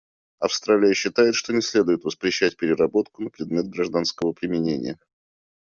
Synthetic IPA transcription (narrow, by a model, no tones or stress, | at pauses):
ɐfst̪ɾalʲɪjəɕːɪt̪ajɪt̪ʂt̪o̞nʲɪsʲlʲed̪ʊjɪt̪vəspɾʲɪɕːæt̚ʲpʲɪɾʲɪrɐbo̞t̪kʊnəpɾʲɪd̪mʲe̞t̪̚ɡɾɐʐd̪anskəvəpɾʲɪmʲɪnʲenʲɪ̰jə